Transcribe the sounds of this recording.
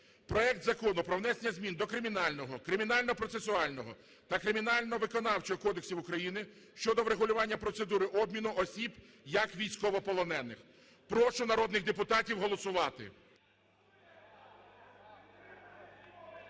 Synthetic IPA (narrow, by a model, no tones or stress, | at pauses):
pɾɔɛk̚t̪zɐkɔnʊpɾɔʋwnɛsenʲɐzʲmʲind̪ɔkɾɪmʲinɑlʲnɔɦɔkɾɪmʲin̪ɑlʲnɔpɾɔt̪sesʊɑlʲnɔɦɔ | t̪ɐkɾɪmʲinɑlʲnɔʋɪkɔnɑwt͡ʃɔɦɔkɔd̪eksʲiwʊkɾɐjinɪ | ʃt͡ʃɔd̪ɔwɾeɦʊlʲʊʋɑnʲːɐpɾɔt̪sed̪uɾɪʔɔbmʲinʊʔɔsʲib | jɐkʋʲijsʲkɔʋɔpɔlˠɔnɛnːɪx | pɾɔʃʊnɐɾɔd̪nɪɣd̪epʊt̪ɑtʲiwɦɔlˠɔsʊʋɑt̪ɪ̰